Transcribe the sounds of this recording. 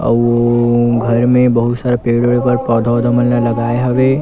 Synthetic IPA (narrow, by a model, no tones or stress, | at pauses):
ɔ̰oɡʱɐɾmẽbɐɦʊt̪saːɾepeːɽoɽepɐɾpɔːd̪ʱɔːd̪ʱəməlnalɐɡaːeɦɐʋe